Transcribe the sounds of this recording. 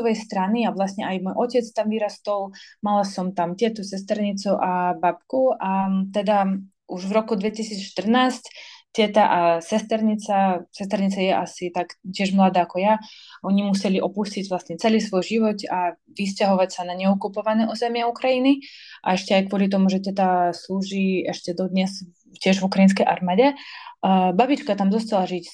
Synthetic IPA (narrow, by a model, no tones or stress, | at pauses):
ɔʋɛjst̪ɾaniavlastɲɛajmɔjʔɔcɛt͡st̪amviːɾast̪ɔwmalasɔmt̪amt̪ɪɛt̪usɛst̪ɛɾɲit͡suʔabapkuʔat̪ɛd̪a | ʔuʒvɾɔkud̪ʋɛcisiːt͡sʃt̪r̩naːsct̪ɪɛt̪aʔasɛst̪ɛɾɲit͡sasɛst̪ɛɾɲit͡sajɛʔasit̪akcɪɛʒmlad̪aːakɔjaʔɔɲimusɛliʔɔpusciɟvlasɲɛt͡sɛliːsʋɔjʒiʋɔta | ʋiscaɦɔʋacsanaɲɛukupɔʋanɛːʔuzɛmɪɛukɾajiniʔa̰ɛʃcɛajkʋʊɔlit̪̬ɔmuʒɛt̪ɛt̪asluːʒiːɛʃcɛd̪ɔd̪ɲɛz | cɪɛʒvukɾajinskɛjʔa̰ɾmaːɟɛ | babit͡ʃkat̪amzɔst̪alaʒic